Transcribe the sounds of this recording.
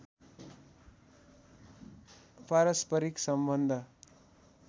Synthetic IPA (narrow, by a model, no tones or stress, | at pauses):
paɾʌspʌɾiksʌmbʌnd̪ʱʌ